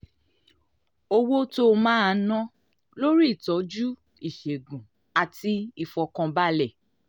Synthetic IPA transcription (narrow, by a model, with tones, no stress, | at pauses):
o˦˧wo˦to˦˧mãː˦˨˧nɔ̃˦ | lo˦ɾi˦i˦˨tɔ˨˦d͡ʒu˦ | i˦˨ʃe˨ɡũ˨ | a˨ti˧i˨fɔ˧kã˧ba˦lɛ˦˨